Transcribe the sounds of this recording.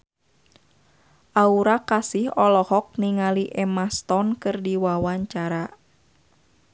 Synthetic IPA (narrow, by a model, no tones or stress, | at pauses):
ʔauɾakasɪhɔlɔhɔk̚niŋaliʔɛmast̪ɔnkɨrdiwawaɲt͡ʃaɾa